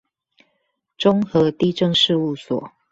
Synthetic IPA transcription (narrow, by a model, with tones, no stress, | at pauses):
ʈ͡ʂʊ˦ŋxɤ˨˦t̪i˥˧˨ʈ͡ʂə˥˧ŋʂɻ̩˥˧u˥˩swɔ̰˨˩˦